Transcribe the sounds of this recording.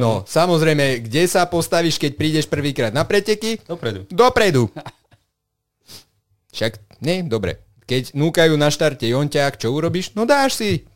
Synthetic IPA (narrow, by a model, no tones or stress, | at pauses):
nɔsamɔzɾɛjmɛɡɟɛsapɔst̪aʋiːʃkɛc̚pɾiːɟɛʃpr̩ʋiːkɾaːd̪napɾɛcɛkipɾɛd̪ud̪ɔpɾɛd̪u | fʃakɲɛd̪ɔbɾɛ̰ | kɛɟnuːkajuːnaʃt̪aɾtɛjɔncakt͡ʃɔuɾɔbiːʃnɔd̪aːʃsi